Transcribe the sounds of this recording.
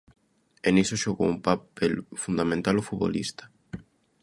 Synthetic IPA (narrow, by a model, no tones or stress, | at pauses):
enisoʃoɣo̰umpapelfund̪amẽnt̪alofuβo̰lḭst̪ḁ